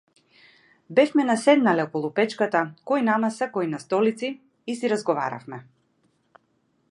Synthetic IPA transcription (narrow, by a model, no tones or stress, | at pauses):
bɛfmɛnasɛd̪nalɛɔkɔlˠupɛt͡ʃkat̪akɔjnamasakɔinast̪ɔlit̪siː | siɾazɡɔva̰ɾa̰fmɛ